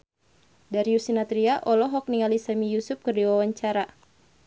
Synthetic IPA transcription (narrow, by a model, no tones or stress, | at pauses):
daɾiusinat̪ɾiaʔɔlɔɦɔk̚niŋalisamijusʊp̚kɨrdiwawaɲt͡ʃaɾa